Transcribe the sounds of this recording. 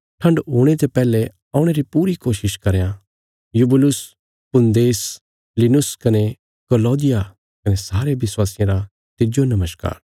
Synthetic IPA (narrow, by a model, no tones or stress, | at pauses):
ʈʰɐ̃ɳɖɦuːɽ̃et̪epɛːle | ɐʊ̃ɽ̃eɾipuːɾikoːʃɪʃkɐɾejã | jubɪlʊs | pʊ̃nd̪eːs | linʊskɐne | kɔlɔːd̪ɪja | kɐnesaːɾeʋɪswaːsɪjãɾa | t̪ɪd͡ʒonɐməʃka̰ːɾ